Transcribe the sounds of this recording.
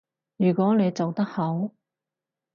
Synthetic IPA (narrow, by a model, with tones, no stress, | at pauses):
jyː˨˩kʷɔː˨˥ne˨˧jt͡sɐ˨wt̪ɐ˥k̚hɐ˨˥w